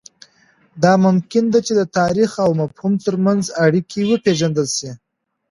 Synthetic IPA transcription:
d̪ɑmʊmkɪnd̪at͡ʃed̪ət̪ɑɾixawmafhumt̪əɾmanzaɽikʰiwəpeʒand̪əlʃi

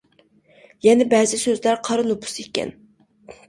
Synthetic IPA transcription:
jɛnɛbɛzɪsøzlæɾqʰɑɾʊnˠubu̥sekʲɛ̰n

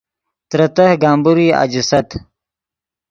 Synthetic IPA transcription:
t̪ɾɐt̪ɐhɡaːmbuɾiːa̰d͡ʑisɐt̪

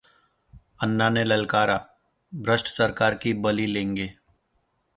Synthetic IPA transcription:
ənːanelɐlkaːɾa | bʱɾəsʈsəɾkaːɾkibɐlilẽːŋɡeː

